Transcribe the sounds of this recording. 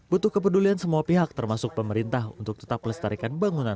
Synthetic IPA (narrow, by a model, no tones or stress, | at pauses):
but̪ʊhkəp̬əduliansəmuapiɦak̚t̪ərmasʊk̚pəməɾint̪ahunt̪ʊk̚t̪ə̥t̪apləst̪aɾikanbaŋunan